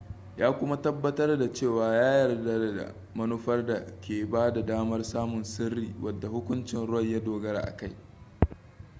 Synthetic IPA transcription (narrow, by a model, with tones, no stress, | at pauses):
jaː˦kʷʊ˦ma˦tɐ˦bːɐ˦tɐ˦rda˨t͡ʃeː˦˨waː˨jaː˦jɐ˨rda˦dda̰˨ | mɐ˦nʊ˦ɸɐ˦rda˨kʲeː˨baː˦da˨daː˦mɐ˦rsaː˦mʊ˨nsɪ˦rːiː˨wʔɐ˨dːa˨hʊ˦kʷʊ˦nt͡ʃɪ˨nɽʊ˦wɐ˦˨jja˦doː˨ɡɐ˦ɾa̰˨ʔa̰˨ka˦j